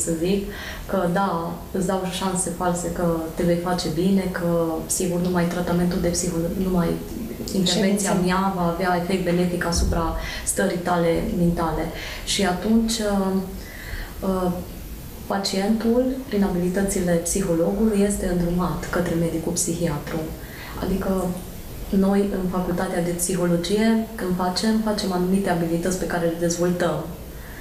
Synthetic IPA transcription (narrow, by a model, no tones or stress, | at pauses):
səzikː | əd̪a | ɨsd̪awʃanse̞false̞kət̪e̞vejfat͡ʃe̞bine̞kəsiɡurnumajt̪ɾat̪ame̞nt̪uld̪e̞psixoloɡnumaj | ḭnt̪ervent̪siamjavaːveae̞fekt̪̚be̞ne̞fikasupɾast̪əɾijt̪ale̞ment̪ale̞ | ʃiat̪unt͡ʃʲə | ə | pat͡ʃie̞nt̪ulpɾinabilit̪ət̪sile̞psixo̞lo̞ɡuluje̞st̪e̞ɨnd̪ɾumat̪kət̪ɾe̞me̞d̪ikupsixiat̪ɾu | a̰d̪ikə | no̞jɨnfakult̪at̪ead̪e̞psixo̞lo̞d͡ʒije̞kɨnd̪fat͡ʃe̞mfat͡ʃe̞manumit̪e̞abilit̪ət̪sʲpe̞kaɾe̞led̪e̞zvolt̪əm